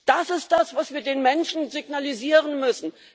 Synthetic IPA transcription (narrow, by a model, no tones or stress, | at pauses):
d̥asɪst̚d̥asv̥asv̥iːɐdeːnmɛnʃn̩zɪɡnaliziːʁənmʏsn̩